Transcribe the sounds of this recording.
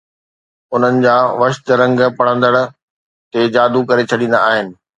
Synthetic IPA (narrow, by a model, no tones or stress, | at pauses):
ʊn̤ənɪ̆d͡ʑaːʋɐʃt̪ɾɐ̃ŋɡpɐɽ̤̃ə̃nd̪əɽ̆ | t̪ed͡ʑaːd̪ukɐɾet͡ɕʰɐɗĩːnd̪a̰aːɦɪnɪ̆